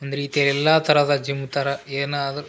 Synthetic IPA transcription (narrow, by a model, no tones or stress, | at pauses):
ɐnd̪ɐɾiːt̪ijɐlɛlːaːt̪ɐɾɐðɐd͡ʒimut̪ɐɾɐeːnɐd̪ɐ